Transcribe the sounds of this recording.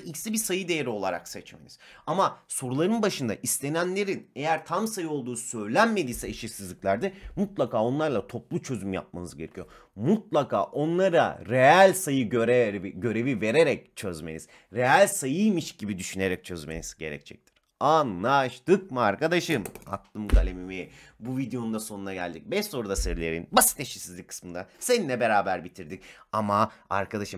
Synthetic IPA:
icsibisajɯd̪e̞jeɾio̞lˠaɾa̰ksɛt͡ʃmḛniz̥ | amaso̞ɾulˠaɾɯnbaʃɯnd̪a̰ʔist̪ʰe̞nænlʲe̞ɾine̞jæɾt̪ʰamsajɯo̞lˠd̪uːsø̞jlʲænme̞d̪iːsɛeʃiɾsizlʲiclʲæɾd̪ɪmut̪lˠakaːo̞nlˠaɾlˠat̪ʰo̞p̚lˠut͡ʃʰøzymja̰p̚ma̰nɯzɟe̞ɾecʰijo | mut̪̚lˠakʰa̰ːʔo̞nlˠaɾa̰ɾeælʲsajɯɟøɾɛviɟø̞ɾe̞vive̞ɾeɾɛc̚t͡ʃʰø̞zme̞niz̥ | ɾejalʲsajɯjmiʃɟibid̪yʃyne̞ɾɛc̚t͡ʃʰø̞zme̞̰niz̥ɟe̞̰ɾɛ̰ct͡ʃʰɛ̰c̚t̪ʰiɾ̥ | anlˠaʃt̪ɯk̚mɯaɾkad̪aʃɯma̰t̪ʰlˠɯmɡalʲemimibuvid̪ejo̞nund̪aso̞nunaɟælʲd̪ic̚bɛʃso̞ɾud̪aseɾlʲeɾḭnbasi̥t̪ʰːeʃisizlʲikʰːɯ̥smɯnd̪aseninʲːɛbe̞ɾaːbæɾbit̪ʰiɾd̪icamaa̰ɾkʰad̪aʃɯm

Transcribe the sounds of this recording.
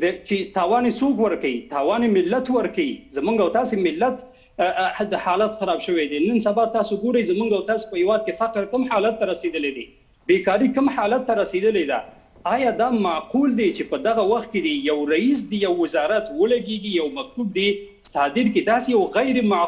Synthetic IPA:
d̪ət͡ʃet̪ɑwɑnesokwəɾkawit̪ɑwɑnemɪlːat̪wəɾkawizamuŋɡawt̪ɑsemɪlːat̪ | d̪əhɑlat̪xaɾɑbʃəwed̪enənsabɑt̪ɑsoɡoɾəjzamuŋɡawt̪ɑse̥pəhewɑd̪̚kefaqɾkəmħɑlat̪ːaɾased̪əled̪e | bekɑɾikəmħɑlat̪ːaɾased̪əled̪a̰ | ɑjɑd̪ɑmaquld̪et͡ʃepəd̪aɣawaxt̪̚ked̪əjawɾais̬d̪əjawːɪzɑɾat̪wəlaɡeɡijawmak̚t̪ub̚d̪e | st̪ɑd̪ɪɾked̪ɑsejawɣajɾma

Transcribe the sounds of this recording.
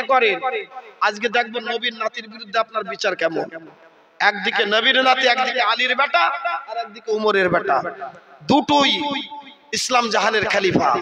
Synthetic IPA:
kɔɾenad͡ʑɡed̪ɛk̚ʰbonːobinːat̪iɾbiɾud̪ʱːeapnaɾbit͡ɕaɾkɛmon | ɛkd̪ikenəbiɾnat̪iɛkd̪ikealiɾbɛʈaaɾɛk̚d̪ikeumoɾeɾbɛʈad̪uʈuj | islamd͡ʑaɦaneɾkʰalifa̰

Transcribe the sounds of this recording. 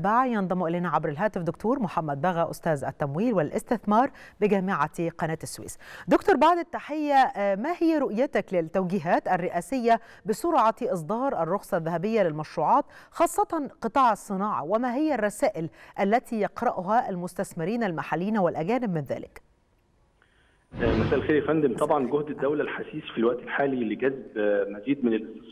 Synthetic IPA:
baʕjɑnðˤɑmuʔɪleːnaʕabɾɪlɦæːt̪ɪfd̪ʊkt̪ʰuːɾmʊħamːæd̪̚bæɣæʔʊst̪æːzæ̰t̪ːæmwiːlwɪlʔɪ̰st̪ɪθmɑːɾˤbɪɡæːmɪʕaqɑnæːt̪ɪsːwḭːsd̪ʊkt̪oːɾˤbaʕd̪ɪt̪ːaħɪjːæmæhɪjːæɾʊʔjat̪æklɪt̪ːæwɡiːɦæːt̪ærːɪʔæːsɪjːæ | bɪsʊɾʕɑt̪ʔɪs̬ˤd̪ˤɑːɾˤʔɑrˤːoxsˤɑðːahæbɪjːalɪlmæʃɾuːʕɑːt̪ | xɑːsˤːɑt̪ɑnqɨt̪ˤɑːʕɑsˤːɨnɑːʕɑ̰wɪmæɦɪjːærˤːɑsæːʔɪlʔælːæt̪ʰiːjɑqɾˤɑʔɦæʔælmʊst̪æsmɪɾiːnælmaħalːiːnæwɪlʔæɡæːnɪbmɪnðæ̰ːlɪ̰k | mæsæːʔlxeːɾjæfænd̪ɪmt̪ˤɑbʕɑnɡohd̪ɪd̪ːæwlælħasiːsfilwæʔt̪elħaːlileɡæzbmæziːd̪mɪnɪlʔɪst̪es

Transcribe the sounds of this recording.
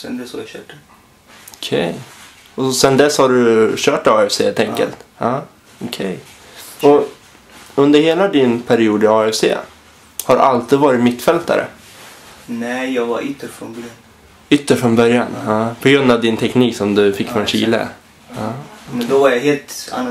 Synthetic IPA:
sɛnd̪ɛsha̰ɾjaɕœːʈə | ɔkʰɛj | ɔsɛnd̪ɛshaɖɵɕœːʈɑːɛfseːhelt̪ʰɛŋkə̰lt̪hɑ | ɔkʰɛj | ɔ | ɵnd̪əɾheːlad̪ɪnpʰæɾɪuːd̪ɪɑːɛfsḛː | haɾ̰ʔalt̪iːd̪vɑːɾɪt̪mɪt̪ːfɛlt̪a̰ɾə̰ | nɛjɑːɡvaɾʏt̪ːəɾfɾɔnbœɾjan | ʏt̪ːəfɾɔnbœɾjanpʰɔɡɾɵnd̪avd̪ɪnt̪ʰɛkniːksɔmd̪ɵfɪkːnɔnɕḭːlə̰ | mɛnd̪ɔvaɾjaɦeːlt̪a̰nː

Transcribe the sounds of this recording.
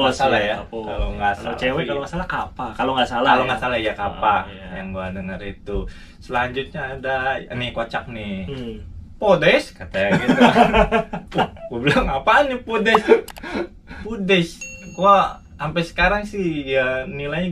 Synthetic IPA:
masalajaka̰loŋɡasat͡ʃewɛkaloŋasalakapakaloŋɡasalaaloŋasalaijakapajaŋɡuadəŋəɾit̪u | səlaɲd͡ʒut̪̚ɲaːdanɪkat͡ʃak̚nɪ | podɛskat̪aaɡit̪ | ublaŋapanipodɛs | pudɛskua | ampɛsə̥kaɾaŋsɪhanilaj

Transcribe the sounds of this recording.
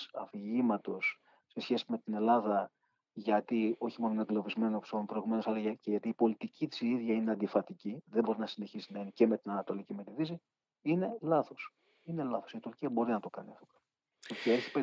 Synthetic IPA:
ɐfiʝimɐt̪o̞sː | e̞sçe̞sime̞t̪ine̞lɐðɐ | ʝɐt̪io̞çimo̞noineŋɡlo̞vizme̞nopsompɾo̞iɣume̞nosɐlɐʝɐceʝɐt̪iːpo̞lit̪icʰit̪i̥siðʝɐine̞ɐnd̪ifɐt̪iciðe̞bo̞ɾinɐsine̞çisinɐinice̞me̞t̪inɐnɐt̪o̞licime̞t̪iðisi | ine̞lɐθo̞s | ine̞lɐθo̞̥sit̪uɾciɐbo̞ɾinɐt̪o̞kɐniɐft̪o | cieɾçipe

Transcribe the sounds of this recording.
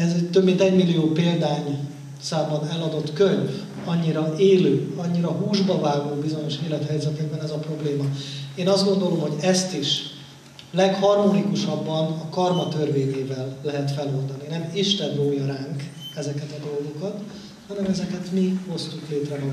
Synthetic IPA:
ɛzɛɟt̪øbmint̪ɛɟmilːijoːpeːld̪aːɲ | saːmːɒnɛlɒd̪o̞t̪køɲ | ɒɲːiɾɒeːløːɒɲːiɾɒɦuːʒbɒvaːɡoːbizo̞ɲo̞ʃeːlɛt̪hɛjzɛt̪ɛɡ̚bɛnɛzɒpro̞bleːmɒeːnɒzd̪ɡo̞nd̪o̞lo̞mɦo̞ɟɛst̪iʃ | lɛkhɒrmonikuʃɒbːɒnɒkɒrmɒt̪ørveːɲeːvɛlːɛɦɛt̪fɛlo̞ld̪ɒninɛmiʃt̪ɛnroːjɒɾaːŋk | ɛzɛkɛt̪ɒd̪o̞lɡo̞kɒt̪ | hɒnɛmɛzɛkɛt̪miho̞st̪ukleːt̪rɛɦo

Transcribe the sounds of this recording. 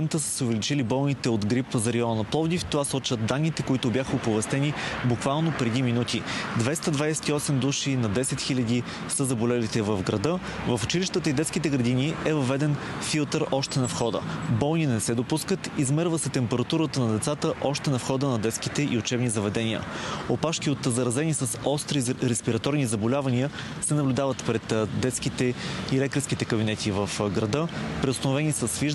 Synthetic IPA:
ɛmt̪əsə̥sɛʊvɛlit͡ʃilibɔlˠnit̪ɛod̪ɡɾipəzɐɾɛɔnnɐplˠɔvd̪ift̪ovasɔt͡ʃvəd̪̚d̪anːit̪ɛkoit̪ʊbʲjaxəopovɛst̪ɛnibukvalˠnopɾɛd̪iminut̪id̪vɛst̪əd̪vajsɛ̥t̪iɔsɛmd̪uʃinɐd̪ɛsɛt̪xilʲəd̪i | səzɐbolɛlit̪ɛvəvɡɾɐd̪ɤ | vəfʊt͡ʃiliʃt̪ət̪əid̪ɛt̪skit̪ɛɡɾɐd̪iniɛvɐvɛd̪ɛnfilˠt̪əɾʔɔʃt̪ɛnɐfxɔd̪ə̰bɔlˠninɛsɛd̪opuskət̪izmɛɾvəsɛt̪ɛmpɛɾɐt̪uɾət̪ənɐd̪ɛt̪sat̪əʔɔʃt̪ɛnɐfxɔd̪ənɐd̪ɛt̪skit̪ɛʔiʊt͡ʃɛbnizɐvɛd̪ɛnʲiə̰opaʃkiot̪zɐɾɐzɛnisəsɔst̪ɾiɾɛspiɾɐt̪ɔɾnizɐbolʲavɐniə | sɛnɐblʲʊd̪avət̪pɾɛt̪d̪ɛt̪skit̪ɛilɛkt̪ɾɛsk̟it̪ɛkəbinɛt̪ivəfɡɾɐd̪ɤpɾɛʊst̪ɐnovɛnisəsviʒ

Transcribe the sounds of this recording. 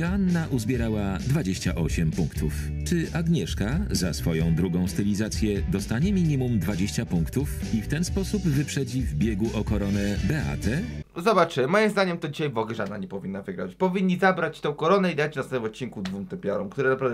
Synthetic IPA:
anːaʔuzbʲjɛɾawad̪vad͡ʑeɕt͡ɕaʔɔɕɛmpuŋkt̪uf | t͡ʂɘʔaɡɲɛʂkazasfɔjɔ̃w̃d̪ɾuɡɔ̃w̃st̪ɛlʲizat̪sʲjɛd̪ɔst̪aɲɛmʲiɲimumd̪vad͡ʑeɕt͡ɕapuŋkt̪ufift̪ɛnspɔsubvɘpʂɛd͡ʑivbʲjeɡuʔɔkɔɾɔnɛbɛa̰t̪ɛzɔbat͡ʂɘmɔjimzd̪aɲɛmt̪ɔd͡ʑiɕajvɔɡɛʐad̪na̰ɲɛpɔvʲinːavɘɡɾa̰t͡ɕpɔvʲiɲʲːizabɾat͡ɕt̪ɔ̃w̃kɔɾɔnɛid̪at͡ɕnasɛnvɔt̪̚t͡ɕːinkud̪vumt̪ɛpʲjɔɾɔmkt̪uɾɛnapɾavd̪

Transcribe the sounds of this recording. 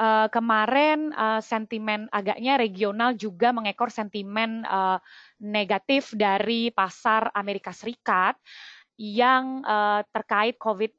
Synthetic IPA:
ʔəkəmaɾɛnəsɛnt̪imɛnaɡaʔɲaɾeɡionald͡ʒuɡaməŋekɔrsɛnt̪imɛnə | neɡat̪ɪfdaɾipasarameɾikasəɾikat̪̚ | jaŋʔəːt̪ərkaɪt̪̚kovɪt̪̚

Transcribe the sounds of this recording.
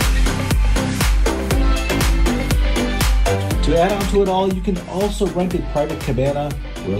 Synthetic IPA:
tʰɨæɾɑ̃ntʰəəɾɔlˠjɨkɨ̃n | ɔlˠsoʊɹɛ̃ntɨt̚pʰɹ̥aɪvɨt̚kʰɨbæ̃nə | wɪ̰

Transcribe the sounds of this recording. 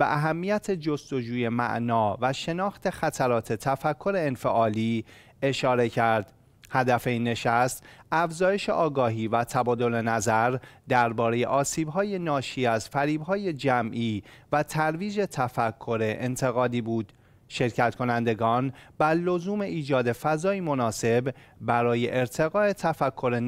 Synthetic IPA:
bḛʔæɦæmːijæt̪ʰe̞d͡ʒost̪o̞d͡ʒuːje̞mæ̰ʔnɒːvæʃe̞nɒːxt̪ʰe̞xæt̪ʰæɾɒːt̪ʰe̞t̪ʰæfækʰːo̞ɾe̞ːnfe̞ʔɒːliː | e̞ʃɒːɾe̞cʰæɾd̪̥ | hæd̪æfe̞inːe̞ʃæst̪æfzɒːje̞ʃe̞̰ʔɒːɡɒːɦiːvæt̪ʰæbɒːd̪o̞le̞næzæɾd̪æɾbɒːɾeje̞̰ʔɒːsiːbɦɒːje̞nɒːʃiːæzfæɾiːbɦɒːje̞d͡ʒæmʔiːvæt̪ʰæɾviːd͡ʒe̞t̪ʰæfækʰːoɾe̞ʔent̪ʰe̞ɣɒːd̪iːbuːd̪̥ | ʃe̞ɾcʰæt̪kʰo̞nænd̪e̞ɡɒːnbæɾlo̞zuːme̞ʔiːd͡ʒɒːd̪e̞fæzɒːimo̞nɒːse̞bbæɾɒːje̞ʔeɾt̪ʰe̞ɣɒːe̞t̪ʰæfækʰːo̞ɾe̞

